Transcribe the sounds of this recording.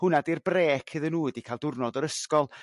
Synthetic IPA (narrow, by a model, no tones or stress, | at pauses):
hʊnadirbreːkʰɨðənuːɨdikʰaːlˠdʊrnɔdɔɾəskɔlˠ